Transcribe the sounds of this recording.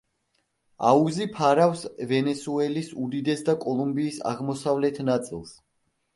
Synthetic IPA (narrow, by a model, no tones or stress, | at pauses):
a̰uzipʰaɾafsvɛnɛsuɛlisud̪id̪ɛsd̪akʼɔlˠumbiːsa̰ʁmɔsavlɛt̪ʰnat̪sʼḭlˠs